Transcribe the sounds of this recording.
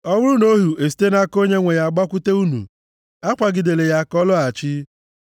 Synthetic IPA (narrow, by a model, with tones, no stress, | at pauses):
ɔ˦wʊ˦ɾʊ˦no˦ɦu˨e˨s̬i̥˨te˦na˦ko˦ɲe˦ŋʷe˨ja˨ɡ͡ba˦kʷʊ˦te˦u˦nṵ˨ | a˦kʷa˨ɡɪ˨de˨le˨ja˦kɔ˦lʊ˦a˨t͡ʃɪ˦